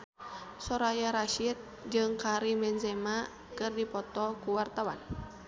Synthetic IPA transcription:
sɔɾajaɾaʃit̪̚ | d͡ʒɨŋkaɾimɛnzɛma | kɨrdipɔt̪ɔkuwart̪awa̰n

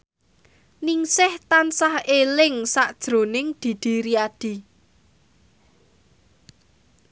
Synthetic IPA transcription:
nɪŋsɪht̪ansahelɪŋsaʔd̥ʒ̥ɾo̤nɪŋd̪̥i̤d̪̥i̤ɾiad̥i̤

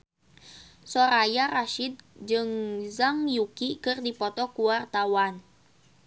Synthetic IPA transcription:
sɔɾajaɾaʃid̪̚d͡ʒɨŋzaŋjukikɨrdipɔt̪ɔkuwart̪awan

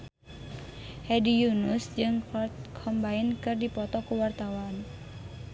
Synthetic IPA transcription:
hɛdijunusd͡ʒɨŋkʰɔmbainkɨrdipɔt̪ɔkuwart̪awan

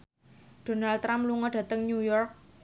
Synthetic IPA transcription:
d̥o̤nalt̪ɾamluŋɔɖ̥ä̤t̪əŋnujɔrk̚

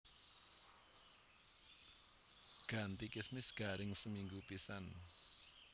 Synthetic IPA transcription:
ɡ̥ä̤nt̪ikɪsmɪsɡ̥a̤ɾɪŋsəmiŋɡupisan

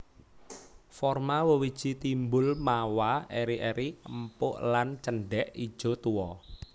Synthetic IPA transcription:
fɔrmawəwid̥ʒ̥i̤t̪imbʊlmawaeɾiʔeɾiəmpʊʔlant͡ʃəɳɖɛʔid̥ʒ̥ɔ̤t̪uwɔ

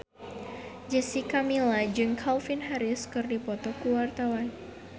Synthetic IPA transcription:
d͡ʒɛsikamilad͡ʒɨŋkʰalfinɦaɾɪskɨrdipɔt̪ɔkuwart̪awan

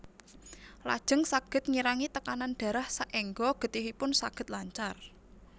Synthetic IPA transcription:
la̰d̥ʒ̥ə̤ŋsaɡ̥ə̤t̪̚ŋiɾaŋit̪əkananɖ̥ä̤ɾahsaʔɛŋɡɔɡ̥ə̤t̪iɦipʊnsaɡ̥ə̤t̪̚laɲt͡ʃar

